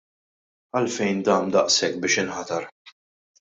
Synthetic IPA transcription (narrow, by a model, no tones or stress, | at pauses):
ɐlfɛjnd̪ɐːmd̪ɐʔsɛk̚ːbɪːʃɪnħɐt̪ɐɾ